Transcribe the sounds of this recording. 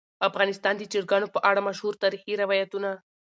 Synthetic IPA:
afɣɑːnɪst̪ɑːnd̪it͡ʃiɾɡanopəʔaɽamɐʃhuːɾt̪aɾixiɾaʋajat̪una

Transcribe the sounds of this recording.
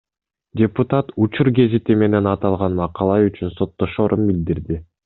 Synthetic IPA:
dʲeput̪at̪ut͡ʃuɾɡe̞zit̪ime̞ne̞nɑt̪ɑlˠʁɑnmɑqɑlˠɑyt͡ʃynso̞t̪ːo̞ʃo̞ːɾʔunbild̪iɾd̪i

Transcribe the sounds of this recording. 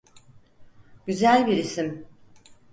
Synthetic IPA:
ɟ̥yzælʲbiɾisim

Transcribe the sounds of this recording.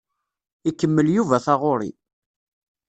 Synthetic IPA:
ikːəmːəljuvæθɑʁʊɾḭ

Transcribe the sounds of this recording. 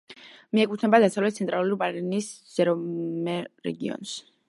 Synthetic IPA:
miɛkʼut̪ʰnɛbad̪asavlɛt̪̚sʰɛnt̪ʼɾalˠupʼaɾinis | z̥ɛɾɔmɛɾɛ̰ɡiɔ̰ns

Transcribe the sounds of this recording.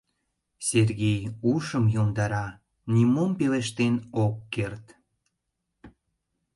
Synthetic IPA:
serɣʲejuʃəmjomd̪ɑɾɑ | nʲimompeleʃt̪enokːert̪

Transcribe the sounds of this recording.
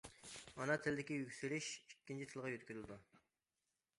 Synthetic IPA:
ɑnɑt̪ʰɪlɪd̪ɪkʲijykʲsyɾiʃikʲːint͡ʃʰit̪ʰɨlˠʁɑjøt̪kʲyzɪlɪd̪u

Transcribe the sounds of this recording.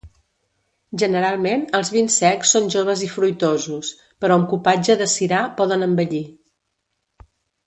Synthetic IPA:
ʒənəɾalˠmenəlˠzβinsɛksːonʲʒoβ̞əzifɾujt̪ozus | pəɾɔəmkupad͡ʒəðəsiɾapɔðənəmbəʎi

